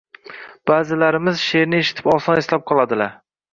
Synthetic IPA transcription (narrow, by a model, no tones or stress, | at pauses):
b̥aːzɪlaɾɪmɪzʃe̞ɾnɪeʃɪ̥t̪ʰɪ̥pɒlˠsɒneslap̚qʰɒlˠad̪ɪlaɾ